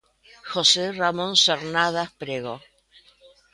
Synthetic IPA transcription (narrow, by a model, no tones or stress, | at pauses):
xoseramõnseɾnaðahpɾeɣo